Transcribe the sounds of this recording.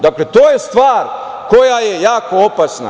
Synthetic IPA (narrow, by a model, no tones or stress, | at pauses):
d̪aklet̪oːjest̪ʋaːɾ | kojajejaːko̞opasna̰